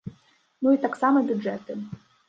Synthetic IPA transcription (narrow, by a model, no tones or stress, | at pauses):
nuit̪aksamɐbʲud͡ʐɛt̪ɨ